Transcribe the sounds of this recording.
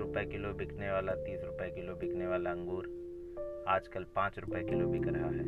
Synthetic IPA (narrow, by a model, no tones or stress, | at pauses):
ɾʊpəekɪlobɪkʰneʋaːlat̪iːsɾʊpekɪlobɪkʰneʋaːlaɐ̃ŋɡuːɾ | aːd͡ʒkəlpãːt͡ʃɾʊpekɪlobʱɪkɾɐɦaɦɛ̰ː